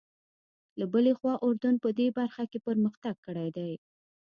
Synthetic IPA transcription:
labəlexwɑʔʊɾd̪anpəd̪ebaɾxakepəɾməxt̪aɡ̚kəɽajd̪aj

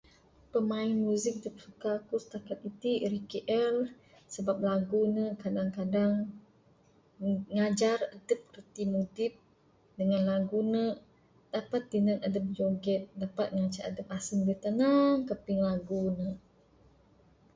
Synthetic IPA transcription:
pəmaɪnmuzɪk̚dəp̚sukakusə̥t̪akat̪̚it̪iɾikiʔɛl | səbap̚laɡunəkadaŋkadaŋ | ŋad͡ʒaradəp̚kərt̪imudip̚ | dəŋanlaɡunə | d̥apat̪ːinənadəp̚d͡ʒoɡɛt̪̚dapat̪̚ŋat͡ʃaʔadəp̚asəŋbət̪anaŋkəpɪŋlaɡunə

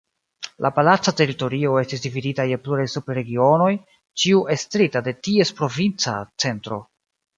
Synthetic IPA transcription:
lʔapalat͡sate̞ɾito̞ɾio̞e̞stisdividitajepluɾajsupɾe̞ɡio̞no̞j | t͡ʃiuʔestɾitade̞tie̞spɾo̞vint͡sat͡se̞ntɾo̞̰

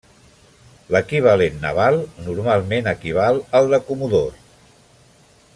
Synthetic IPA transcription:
ləkiβ̞alenːə̰βalˠnuɾmalˠmenəkiβ̞alˠəlˠd̪əkumuðo

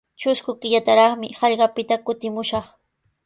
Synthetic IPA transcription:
t͡ʃʊskʊkɪʎat̪aɾɑχmɪhɑʎɢɑpɪt̪akʊt̪ɪmʊʃɑχ

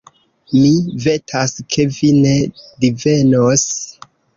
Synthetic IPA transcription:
mive̞tʰaskʰe̞vine̞dive̞nos

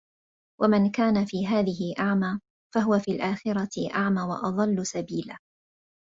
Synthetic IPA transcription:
wʔamɪnkaːnafiːɦaːðɪɦɪʔaʕmaː | faɦʊwafiːlʔaːxɪɾɑɪʔaʕmaːwɑ̰ʔɑðˤɑlːʊsabiːlaː

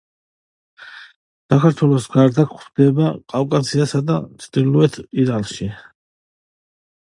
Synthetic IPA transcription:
sakʰaɾt̪ʰwɛlˠɔsɡaɾd̪akʰχd̪̥ɛbakʼavkʼasiasad̪at̪sʰd̪iluɛt̪ʰiɾalʃi

